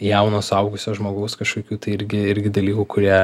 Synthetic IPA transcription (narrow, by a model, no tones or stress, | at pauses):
jɛʊnoːsɐʊɡʊsʲoːʒmoːɡɐʊskɐʃkoɔːkʲuːt̪ɐɪɪɾʲɡʲɪɪɾʲɡʲɪd̪ɐlʲiːkuːkʊɾʲiɛ